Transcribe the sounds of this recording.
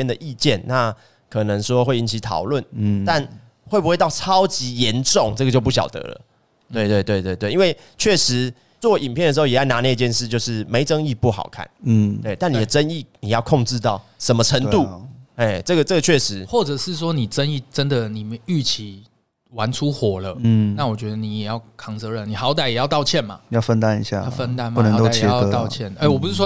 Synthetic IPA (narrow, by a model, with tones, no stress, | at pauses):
ɛ˥˧nd̪ə˨ʔi˥˧t͡ɕɛ˥˨nna˥˩ | kʰɤ˨˩nə˧˦ŋʂwɔ˥xwe˥˩ɪi˧˥nt͡ɕʰi˧˥t̪ʰɑ̰˨˩ʊlwə˥˨na˥˨n | xwe˥˩pu˧xwe˥˧t̪ɑ˥˨˩ʊʈ͡ʂʰɑ˦ʊt͡ɕi˨˥jɛ˨˧˦nʈ͡ʂʊ˥˨ŋʈ͡ʂə˥ɡə˩t͡ɕjo˧ʊp̬u˥˩ɕjɑ̰˨˩ʊt̪ɤ̰˧˦lə̰˨ | t̪we˥˧ɪt̪we˥˧ɪt̪we˥˧ɪt̪we˥˧ɪt̪we˥˩ɪi˥nwe˥˧ɪ | t͡ɕʰɥɛ˥˩ʂɻ̩˧˦ | t͡swɔ˥˨˩i˨˩npʰjndə˩ʂ̬ɻ̩˧˥o˥˧˩jɛ˨˩a˥˩ɪna˧˥ne˥˧t͡ɕjɛ˥˧nʂɻ̩˥˧t͡ɕjo˥˧ʊʂɻ̩˥˩me˧˥ɪʈ͡ʂə˦ŋi˥˧pu˥˩xɑ̰˨˩ʊkʰa̰˥˩n̩˨we˥˩ɪt̪a˥˩ni˨˩d̪ə˩ʈ͡ʂə˦ni˥˩ni˨˩jɑ˥˧ʊkʰɔ˥˧ŋʈ͡ʂɻ̩˥˧t̪ɑ˥˩ʊʂə˧˦nmə˨˧ʈ͡ʂʰə˧˥ŋt̪u˥˨e˥˩ʈ͡ʂɤ˥˩ɡə˩ʈ͡ʂə˥˩ɡə˩t͡ɕʰɥɛ˥˩ʂɻ̩˧˦xwɔ˥˩ʈ͡ʂə˨˩ʂɻ̩˥˩s̬wɔ˥ni˨˩ʈ͡ʂə˦ni˥˩ʈ͡ʂə˦nd̪ə˨ni˨˩mə˦y˥˩t͡ɕʰi˨˦ | wa˧˦nʈ͡ʂʰu˦xwɔ˨˩lə˦˥˩na˥˨wɔ˨˩t͡ɕɥɛ˧˦d̪ə˧ni˨˩jɛ˨˩jɑ˥˩ʊkʰɑ˧˦ŋt͡sɤ˧˥ɻə˥˩nni˨˩xɑ˧˥ʊt̪a˨˩ɪjɛ˨˩jɑ˥˧ʊt̪ɑ˥˧ʊt͡ɕʰjɛ˥˨nma̰˨˩jɑ˥˩ʊfə˦nt̪a˥˧nḭ˧˥ɕja̰˥˨jfə˦˥nt̪a˥nm˥˨nə˧ŋ˨t̪o˥˨ɛ˧˥kə˧˦ɑ˥˧ʊt͡ɕʰjɛ˥˨ne˥˩wɔ˨p̬u˧˦ʂɻ̩˥˩ʂwɔ˥